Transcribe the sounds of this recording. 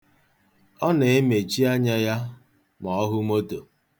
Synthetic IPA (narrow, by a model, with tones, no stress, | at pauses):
ɔ˦ne˨e˦me˨t͡ʃi˦a˦ɲa˦ja˦ | mɔ˨ɔ˦ɦʊ˦mo˦to˨